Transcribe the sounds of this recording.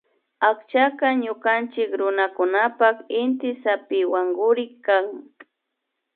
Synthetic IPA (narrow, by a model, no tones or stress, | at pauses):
akt͡ʃakaɲʊkant͡ʃɪkɾʊnakʊnapakɪnt̪ɪsapɪwaŋɡʊɾɪkːaŋ